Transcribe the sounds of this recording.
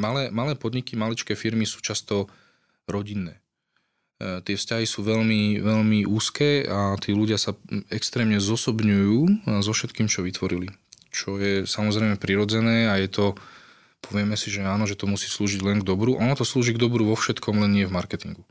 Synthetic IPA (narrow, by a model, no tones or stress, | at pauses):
malɛːmalɛːpɔd̪ɲikimalit͡ʃkɛːfiɾmisu̥ːt͡ʃast̪ɔ | ɾɔɟinːɛː | t̪ɪɛfscaɦisuːʋɛʎmiʋɛʎmiʔuːskɛːat̪iːluɟɪasaɛkst̪ɾɛːmɲɛzɔsɔbɲujuːzɔfʃɛt̪kiːmt͡ʃɔʋit̪ʋɔɾilit͡ʃɔjɛsamɔzɾɛɪmɛpɾiɾɔd͡zɛnɛːajɛt̪ɔ | pʰɔʋɪɛmɛsiʒɛaːnɔʒɛt̪ɔmusiːsluːʒiɟlɛŋɡd̪ɔbɾuʔɔnɔt̪ɔsluːʒiɡd̪ɔbɾuʋɔfʃɛt̪kɔmlɛnɲɪɛvmaɾkɛt̪iŋɡu